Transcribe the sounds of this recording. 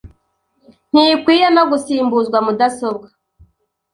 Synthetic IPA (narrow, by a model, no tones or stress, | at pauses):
n̥hikwiːjenoɡusiːmbuzɡwamudaso̞bɡa